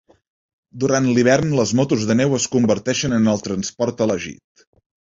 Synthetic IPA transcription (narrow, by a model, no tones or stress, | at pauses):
d̪uɾant̪liβ̞ɛrnləzmɔt̪uzðənɛwəskumbəɾt̪ɛʃənənəlˠt̪ɾənspɔɾt̪ələʒḭt̪